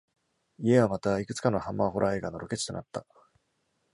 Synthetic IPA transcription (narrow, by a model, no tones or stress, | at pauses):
ie̞βamat̪aikɯ̟t͡sɨ̥kano̞hãmːa̰ɦo̞ɾʔae̞ːɡano̞ɾo̞ke̞t͡ɕi̥t̪o̞na̰t̪ːa